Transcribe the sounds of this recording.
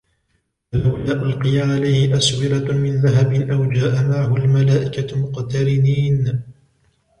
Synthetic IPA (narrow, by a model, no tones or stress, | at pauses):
alawlaːʔʊlqɨjaʕalajhɪʔaswɪɾamɪnðaɦabɪnʔawd͡ʒaːʔamaʕahʊlmalaːʔɪkamʊqt̪ɑɾɪniːn